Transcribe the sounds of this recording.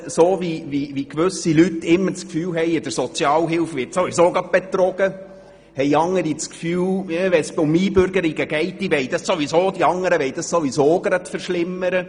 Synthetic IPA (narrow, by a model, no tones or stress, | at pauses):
soːviʋiʋikʋʉsilyt̪ːɪmːəɾt͡skfyːwɦɛɪjɪd̥̪əɾsɔt͡sjɑːlɦɪlfʋɪtsoʋisoːɡɑb̥ɛt̪ɾɔɡ̥ə | hɛɪɑŋːəɾit͡skfyːwʋɛnsʊmiːbʏɾɡəɾiɡəɡ̥ɛɪt̚d̪iʋɛɪd̥̪ɑssoʋisoːd̥̪iɑŋːəɾəʋɛɪd̥̪ɑssoʋisoːɡɾɑt̪fəɾʃlɪmːəɾə